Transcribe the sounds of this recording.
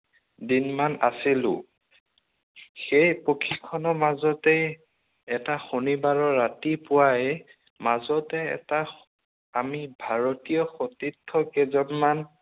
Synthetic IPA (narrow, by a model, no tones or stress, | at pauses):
dinmana̰silʊ̰̃ | xejpokʰikʰːɔnɔmazɔtɛ | ɛtaxonibaɹɔɹatipʊwajɛ | mazɔtɛɛ̰ta | amibʱaɹɔtijɔxotitʰːɔkɛzɔnman